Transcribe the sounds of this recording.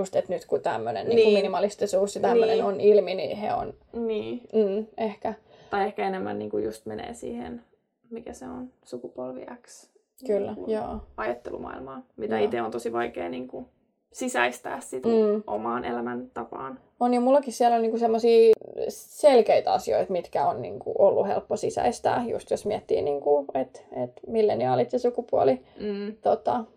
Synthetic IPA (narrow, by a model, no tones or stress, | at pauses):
just̪et̪nyt̪kut̪æ̰mːønḛnniːnːkuminimɑlist̪isuːsjɑt̪ænmːønenonilminḭhḛo̰nniː | ehkæ | t̪ɑiehkæenemːæ̰nnḭːŋkujust̪menḛːsḭːhḛn | mikæseonsukupolʋḭæks | kylːæjo̰ːɑjɑt̪ːelṵmɑ̰ilmɑːmij̪t̪æit̪eont̪osiʋɑikeːniːŋku | sisæist̪æːssit̪̩ːʔo̰mɑːnelæmænt̪ɑpɑ̰ːn | onjomulːɑkissiælolniːkusemːosiː | selkeit̪ɑ̰sio̰iet̪mit̪kæonnḭːŋkṵʔolːuhḛlpːosisæ̰ist̪æ̰ːjṵst̪josmiɛt̪ːḭːniːŋkuet̪et̪milːeniɑolit̪sesukupuɔliːt̪ot̪ɑ